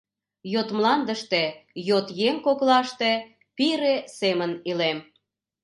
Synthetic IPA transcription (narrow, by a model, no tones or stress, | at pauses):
jot̪mlɑnd̪əʃt̪ejot̪jeŋkoklɑʃt̪e | piɾesemənilem